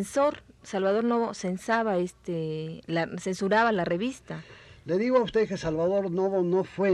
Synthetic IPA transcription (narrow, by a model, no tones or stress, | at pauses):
nso̞ɾsalβað̞o̞ɾno̞βo̞se̞nsaβaest̪elase̞nsuɾaβalare̞βist̪ale̞ðiɣoaust̪e̞ðkesalβaðoɾno̞βono̞fwe